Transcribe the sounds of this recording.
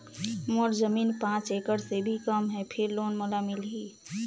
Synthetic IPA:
moːɾzəmiːnpãːt͡ʃeːkəɽsebʱikəmɦɛpʰɪɾloːnmolamɪlɦiː

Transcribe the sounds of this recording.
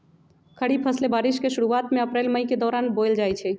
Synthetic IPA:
kʰəɽipʰəslebaɾiskeʃuɾuat̪meəpɾelməjked̪ɔːɾanbojld͡ʒajt͡ʃʰɛ

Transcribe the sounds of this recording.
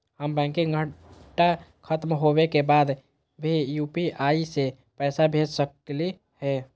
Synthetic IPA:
həmbɛ̃ːŋkĩɡʱəʈakʰət̪mɦoːwekebaːd̪ | bʱijuːpiaːise | pɛːsabʱeːd͡ʒsəkli | hɛː

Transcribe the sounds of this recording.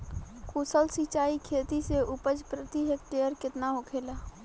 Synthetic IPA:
kusəlsit͡ʃaːikʰeːt̪iseʊpəd͡ʒpɾət̪iɦek̚ʈeəɾkɪt̪naɦokʰeːlaː

